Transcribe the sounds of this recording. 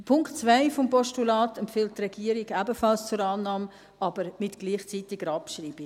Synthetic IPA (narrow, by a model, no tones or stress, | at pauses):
pʰʊŋktt͡svaɪfɔmpɔʃtulɑːtɛmfɪlt̚trɛɡiːəɾiɡæbəfɑlst͡sʊɾɑːnːɑːm | ɑbəɾmɪtɡ̥liːχt͡sitɪɡəɾɑpʃriːb̥i